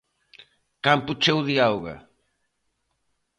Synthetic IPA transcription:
kamput͡ʃewðiawɣɐ̰

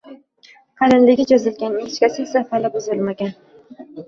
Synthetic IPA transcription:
qʰɑlɪnlɪɡʲɪd͡ʒɒzɪlɡʲanɪɪt͡ʃkʲasɪsafalɪpɵzʊlˠmaɡʲan

